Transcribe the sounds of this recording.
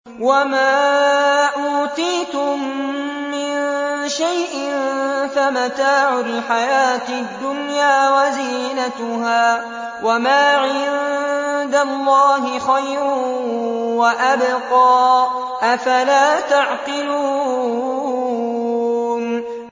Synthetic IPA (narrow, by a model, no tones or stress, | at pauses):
wamaː | ʔuːt̪iːt̪ʊmː | ɪnʃajʔɪnfamat̪aːʕʊlħajaːt̪ɪd̪ːʊnjaːwaziːnat̪ʊɦaː | wamaːʕɪnd̪alːɑːɦɪxajɾʊ | waʔabqɑː | ʔafalaːt̪aʕqɪluː | n